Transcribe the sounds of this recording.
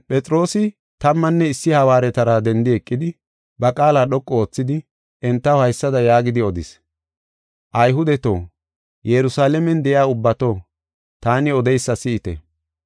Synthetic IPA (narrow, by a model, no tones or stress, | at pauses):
pʼɛt͡sʼɾo̞ːsɪ | t̪ɐmːɐnːɛɪsːɪhɐwaːɾɛt̪ɐɾad̪ɛnd̪ɪɛkʼːɪd̪ɪ | bɐkʼaːlaːɗɔkʼːɔoːt͡sːɪd̪ɪ | ʔɛnt̪ːɐwhɐjsːɐd̪ɐjaːɡɪd̪ɪɔd̪ɪ̰s | ʔɐjɦʊd̪ɛt̪o̞̰ː | jɛɾʊsaːlɛmɛnd̪ɛjɪaːʊbːɐt̪o̞ː | t̪aːnɪɔd̪ɛjsːɐsɪɪt̪ɛ̰